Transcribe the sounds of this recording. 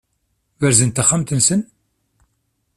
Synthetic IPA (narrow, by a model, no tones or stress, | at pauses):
wæɾzənt̪əχəmt̪ənsən